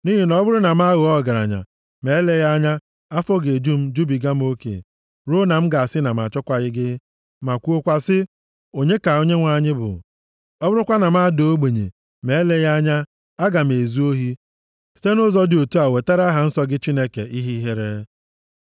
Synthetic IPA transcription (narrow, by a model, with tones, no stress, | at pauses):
ni˦ɦi˦nɔ˦bʊ˦ɾʊ˦na˨m˦a˦ɣʊ˨ɔ˦˨ɡa˨ɾa̰˨ɲa̰˨ | me˨˦le˦ɣa˦ɲa˦ | a˦fo˦ɡe˨d͡ʒu˦m̩˦d͡ʒu˦bi˨ɡa˦m̩˦o˦kḛ˨ | ɾo˦na˨m̩˦ɡa˨a˨sɪ˦na˨m˨a˨t͡ʃɔ˦kʷa˨ɣɪ˦ɡɪ˦ | ma˨kʷu˦o˦kʷa˦sɪ˦ | o˨ɲe˦ka˨o˨ɲe˦ŋʷa˨ɲɪ˦bʊ̰˨ | ɔ˦bʊ˦ɾʊ˦kʷa˦na˨ma˦˨do˨o˦ɡ͡be˨ɲḛ˨ | me˨e˦le˦ɣa˦ɲa˦ | a˦ɡa˨m̩˨e˨zu˦o˦ɦi˦ | si̥˦te˦nʊ˦zɔ˦dɪ˨o˨tu˦a˨we˨ta˦ɾa˦ɦa˨n̩˦sɔ˦ɡɪ˦t͡ʃi˦ne˦kḛ˨ʔi˦ɦi˦ɦe˦ɾe˦